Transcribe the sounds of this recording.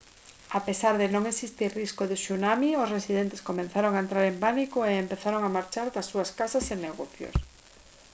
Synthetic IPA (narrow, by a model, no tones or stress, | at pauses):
apesaɾðenõŋesist̪iɾriskoðɪʃunamiosresiðent̪eskomẽnθaɾoŋaent̪ɾaɾempanikoeempeθaɾoŋamaɾt͡ʃaɾðasːuaskasasenːeɣoθjo̰s